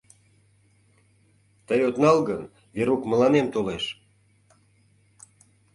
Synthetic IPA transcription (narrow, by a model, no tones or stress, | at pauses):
t̪əjot̪nɑlɣən | veɾukmə̆lɑnemt̪oleʃ